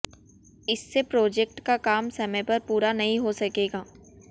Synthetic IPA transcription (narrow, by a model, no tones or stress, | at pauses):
ɪsːepɾoːd͡ʒek̚ʈkakaːmsɐmɛ̃jpɐɾpuːɾanɐɦĩɦosɐkeːɡaː